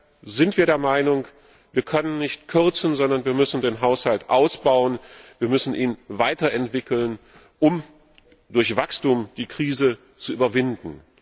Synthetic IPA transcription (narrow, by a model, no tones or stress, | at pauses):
zɪntv̥iːɐɾeːɐmaɪnʊŋ | viːɐkʰœnənːɪçtkʰʏɐt͡sn̩zɔndɐnviːɐmʏsn̩deːnɦaʊshaltʔaʊsb̥aʊənviːɐmʏsn̩ʔiːnvaɪtɐɛntv̥ɪkl̩n | ʔʊm | d̥ʊɐçv̥akstuːmd̥iːkʁ̥iːzə | t͡suʔyːbɐvɪndn̩